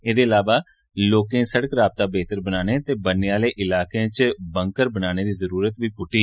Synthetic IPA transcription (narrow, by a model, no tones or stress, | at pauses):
eːd̪eːəlaːʋaː | loːkẽːsəɽəkɾaːb̚t̪aːbeːt̪əɾbənaːneːt̪eːbəneaːleːʔɪlaːkeãːt͡ʃbə̃ŋkəɾbənaːneːd̪iːzəɾuːɾət̪ʋiːpʊʈiː